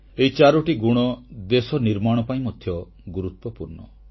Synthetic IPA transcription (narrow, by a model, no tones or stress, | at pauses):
eit͡ʃaɾɔʈiɡuɽ̃ɔd̪esɔniɾmaɽ̃ɔpaĩmɔd̪ʱjɔ | ɡuɾut̪wɔpuɾnɔ̰